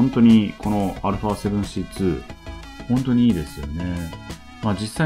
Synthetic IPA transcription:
õnt̪o̞ɲ̟ikʰo̞no̞aɾɯ̟ɸase̞bɯ̟̃ɰ̃ɕit͡sɨ | hõ̞nt̪o̞ɲ̟iiːd̪e̞sɨjo̞ne̞ | maːd͡ʑisːa

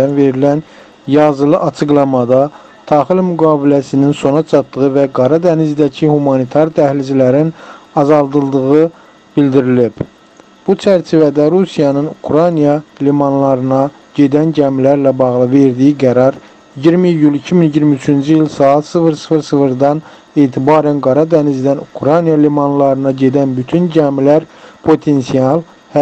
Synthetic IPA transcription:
ænve̞ɾilæn | jɑzɯlˠɯʔɑt͡ʃʰɯɡlˠɑmɑd̪ɑ | t̪ʰɑχilmyɡɑːbilæsininso̞nɑt͡ʃʰɑt̪ːɯʁɯvæɡɑɾɑd̪ænizd̪æcʰihumɑnit̪ʰɑɾt̪ʰæhlid͡ʒʰilæɾinɑzɑlˠd̪ɯlˠd̪ɯɣɯ | b̥ild̪iɾilib̥ | b̥ut͡ʃʰæɾt͡ʃʰivæd̪æɾusijɑnɯnukʰɾɑjnijɑlimɑnlˠɑɾɯnɑ | ɟ̥e̞d̪ænɟæmilæɾlæbɑɣlˠɯve̞ɾd̪ijiɡæɾɑɾ | iɟiɾmijylicʰiminiɟiɾmiyt͡ʃʰynd͡ʒiilsɑːɑt̪sɯvɯɾsfɯɾsɯvɯɾd̪ɑn | e̞ːt̪ʰibɑːɾænɡɑɾɑd̪ænizd̪ænukʰɾɑjnijɑlimɑnlˠɑɾɯnɑɟe̞d̪ænbyt̪ʰynɟæmilæɾpʰo̞t̪ʰe̞nsiɑlˠ | h

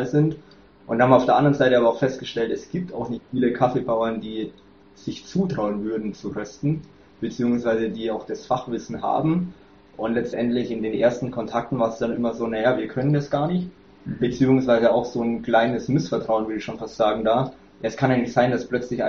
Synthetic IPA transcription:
lzɪnt | ʔʊnthaːmaʊfd̥eːɐʔandɐʁənzaɪtəʔaːbɐaʊxfɛst̚ɡ̥əʃtɛltɛsɡ̥iːp̚ta̰ʊxnɪçtfiːləkʰafebaʊɐndiː | z̥ɪçt͡suːtʁ̥aʊənvʏɐdn̩t͡suʁœstn̩ | b̥ət͡siːʊŋsv̥aɪzədiːaʊxd̥asfaχv̥ɪsn̩ha̰ːbm̩ | ʔʊntlɛt͡stʔɛntlɪçɪndeːnʔḛːɐstn̩kʰɔntʰak̚tn̩vaːɐsd̥anʔɪmɐzoːnajaːviːɐkʰœnəndasɡ̥aːɐnɪçt | b̥ət͡siːʊŋsv̥aɪzəaʊxz̥oːnkl̥aɪnəsmɪsfɛɐtʁ̥aʊnvʏɐɪçʃoːnfastz̥aːɡŋ̩daː | jaɛskʰanaɪŋnɪçtz̥aɪndasplœt͡slɪçʔa

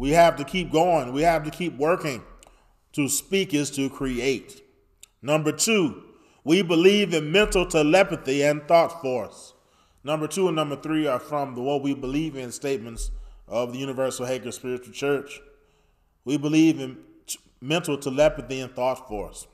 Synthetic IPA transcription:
wihæftɨkʰip̚ɡ̥oʊɪ̃ŋwihæftɨkʰip̚wɜ˞kɪ̃ŋ | tʰɨspikɨz̥tʰɨkʰɹ̥ieɪt̚ | nʌ̃mbə˞tʰʉ | wibəlivɨ̃nmɛ̃ntˡl̩ˠtʰəlɛpɨθiɨ̃nθɔtfɔɹs | nʌ̃mbə˞tʰuə̃nʌ̃mbə˞θɹiə˞fɹʌ̃mðəwʌt̚wibəlivɨ̃nsteɪt̚mɨ̃ntsʔʌvðɨjʉnɨvɜ˞sl̩ˠheɪkə˞spɪɹɨt͡ʃl̩ˠt͡ʃʰɜ˞t͡ʃ | wibəlivɨ̃n | mɛ̃ntˡl̩ˠtʰəlɛpɨθiɨ̃nθɔtfɔɹs

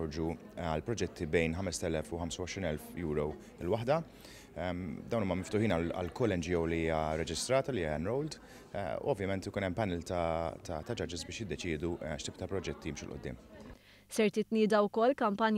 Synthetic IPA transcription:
ɔɾd͡ʒu | ɐlpɾɔd͡ʒɛt̪ʰːibɛjnħɐmɛst̪ɛlɛfuħɐmsɐwɔʃɾiːnɛlfjuːɾɔ | ɪlwɐħd̪ɐ | ɛmd̪ɐwnuːmɐmɪft̪ʊħiːnɐlɐ̰lkɔlːɛnd͡ʒɪjɔwliiːjɐɾɛd͡ʒɪst̪ɾɐːt̪ɐliɐɛnɾɔwld̪̰ | ṵɔvjɐmɛnt̪ɪkuːnɛmpɐnɛːlt̪ɐt̪ʰɐt̪ɐd͡ʒɐd͡ʒɪzbɪːʃjɪd̪ːɛt͡ʃɪːd̪uʃt̪iːp̚t̪ɐpɾɔd͡ʒɛt̪ːijɪmʃulʔʊ̰d̪ːɪ̰ːm | sɛɾt̪ɪt̪nɪːd̪ɐwkɔlːkɐmpɐnj

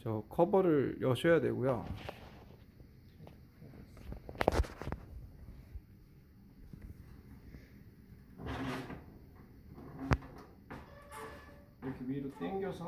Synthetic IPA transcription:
t͡ɕʌkʰʌbʌɾɯɭjʔʌɕʰʌjadwe̞ɡujo̰ | iɾʌkʰewiɾot͈eŋɡjʌsʰʌ

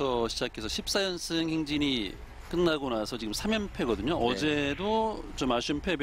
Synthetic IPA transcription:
ʌɕʰid͡ʑakʰe̞sʰʌɕʰip̚s͈ajʌnsʰɯŋheŋd͡ʑiɲi | k͈ɯnːaɡonasʰʌt͡ɕiɡɯmsʰamjʌnpʰe̞ɡʌdɯɲoʔʌd͡ʑe̞dot͡ɕomaɕ͈ʰumpʰe̞b

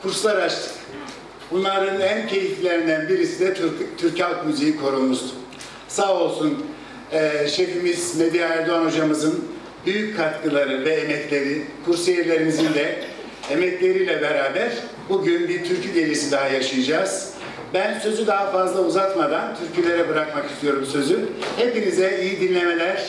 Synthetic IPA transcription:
kʰuɾslˠaɾat͡ʃt̪ʰɯ̥k | bunlˠaɾɯnæncʰe̞jiflʲe̞ɾind̪ænbiɾisid̪ɛt̪ʰyɾchalˠkmyzejikʰo̞ɾulˠmuz̥ | saːo̞lˠsun | ɛʃefimizmed̪ijaːɾd̪oanod͡ʒamɯzɯn | byjyc̚kʰːat̪kʰɯlˠaɾɯvɛːmɛclʲe̞ɾikʰuɾsejiɾlʲe̞ɾimizind̪ɛ | emɛclʲe̞ɾijlʲɛbeɾaːbæɾ̥ | buɟynbiɾt̪ʰyɾcʰyɟe̞lʲisid̪aɦajaʃɯjad͡ʒaːz̥ | bænsø̞zyd̪aɦafazlˠauzat̪mad̪ant̪ʰyɾcilʲe̞ɾɛbɯɾakmaki̥st̪ʰijo̞ɾumsø̞zyhepinizɛijid̪inlʲe̞me̞lʲæɾ̥

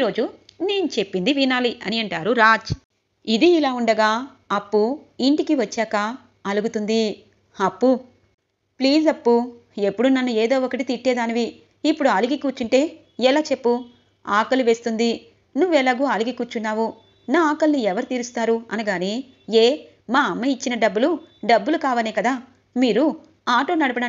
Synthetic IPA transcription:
iɾo̞ːd͡ʒune̞ːnut͡ʃe̞pːind̪iʋinaːliɐniɐɳʈaːɾuɾaːd͡ʒ | id̪iːlaːuɳɖɐɡaː | ɐpːuiɳʈikiʋɐt͡ʃːaːkɐ | ɐluɡut̪und̪i | ɐpːu | pliːsɐpːu | e̞pːuɽunɐnːueːd̪o̞ːɔkɐʈit̪iʈːɛːd̪aːniʋiː | pːuɽuɐliɡikuːt͡ʃːuɳʈe̞ː | ɛlaːt͡ʃe̞pːu | aːkɐluʋe̞ːst̪und̪i | nuʋːɛlaːɡuɐliɡikuːɾt͡ʃːunːaːʋu | naːaːkɐlniɛʋɐɾit̪iːɾust̪aːɾuɐnuɡaːniː | eː | maːɐmːɐit͡ʃːinɐɖɐbːuluɖɐbːulukaːʋɐneːkɐd̪aː | miːɾu | aːʈo̞ːnɐɽɐpɐɽaː

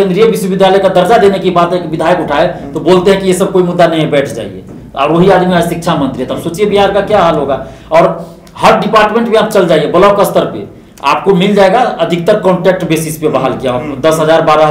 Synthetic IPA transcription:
kẽnd̪ɾijebiswebid̪ʱjaləjkad̪əɾd͡ʒad̪enekibat̪ekbid̪ʱajəkʊʈʰaet̪oboːlt̪eɦɛ̃kijesəb̚koːimud̪ːanɐɦĩẽbɛːʈʰd͡ʒa̰ːḭḛ | ɔ̰ːɾʋoɦiaːd̪miasʃik̚t͡ʃʰamə̃nt̪ɾiɦɛt̪absoːt͡ʃiebiɦaːɾkakjaɦalɦoɡa | ɔːɾ | həɾɖipaːɾʈmẽɳʈbʱĩaːp̚t͡ʃəld͡ʒaiebəlɔkəst̪əɾpḛ | a̰ːp̚komild͡ʒaeɡaəd̪ʱik̚t̪əɾkɔ̃ɳʈɛk̚ʈbesispebaɦalkijad̪əsɦəd͡ʒaːɾbaːɾaɦ

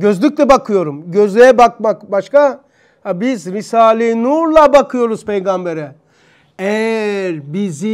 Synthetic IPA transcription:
ɟø̞zlʲyc̚ʲlʲɛbakʰɯjo̞ɾumɟøzlʲejɛbakmakbaʃka | habizɾisaːlʲˠenuɾlˠabakʰɯjo̞ɾuz̥pʰejɡambeɾɛ | ɛɾbizi

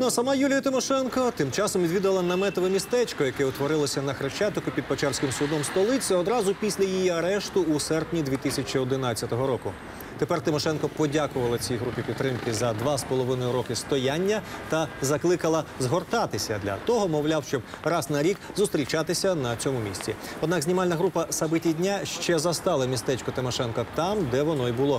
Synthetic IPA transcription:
nuɐsɐmɑjulʲijɐt̪ɪmɔʃɛnkɔt̪ɪmt͡ʃɑsɔmʋʲid̪ʋʲid̪ɐʋɐlˠɐnɐmɛt̪ɔʋemʲist̪ɛt͡ʃkɔjɐkɛʊt̪ʋɔɾɪlˠɐsʲɐnɐxɾeʃt͡ʃɑt̪ɔkʊpʲid̪̚pet͡ʃarsʲkɪmsʊd̪ɔmst̪ɔlˠɪt͡sʲɐɔd̪ɾɑzʊpʲisʲlʲɐjijiɐɾɛʃt̪ʊːsɛrpnʲid̪ʋʲit̪ɪsʲɐt͡ʃʲiɔd̪ɪnɑt͡sʲːɐt̪ɔɦɔɾɔkʊ | t̪epɛrt̪ɪmɔʃɛnkɔpɔdʲakʊʋɐlˠɐt͡sʲijɦɾupʲipʲit̪ːɾɪmkɪzɐd̪ʋɑspɔlˠɔʋɪnɔjʊɾɔkɪst̪ɔjanʲːɐt̪ɐzɐklˠɪkɐlˠɐzɦɔrt̪ɑt̪ɪsʲɐd̪lʲɐ̰t̪ɔɦɔmɔwlʲawʃt͡ʃɔb̥̚rɑznɐɾʲikzʊst̪ʲɾʲit͡ʃɑt̪ɪsʲɐnɐt͡sʲɔmʊmʲḭsʲt͡sʲiɔd̪nɑɡzʲnʲimɑlʲnɐɦɾupɐsɐbɪtʲidʲnʲaʃt͡ʃɛzɐst̪ɑlˠɐmʲist̪ɛt͡ʃkʊt̪ɪmɔʃɛnkɐt̪ɑmd̪ɛʋɔnɔibʊlˠɔ

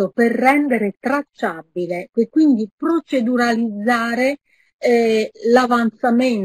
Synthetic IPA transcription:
operːɛnd̪eɾet̪ɾat͡ʃːabileekːwind̪ipɾot͡ʃed̪uɾalid̪zːaːɾe | lavant̪samen

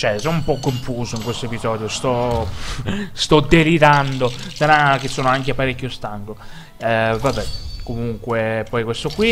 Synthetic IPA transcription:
t͡ʃɛsɔnumpɔkːoɱfuːzoiŋkwest̪oepizɔːd̪jost̪ɔ | st̪ɔd̪ːeliɾand̪od̪anak̟esoːnoaŋkeapːaɾekʲːjost̪aŋɡo | ɛvabɛkomuŋkwepɔjkwest̪okwi

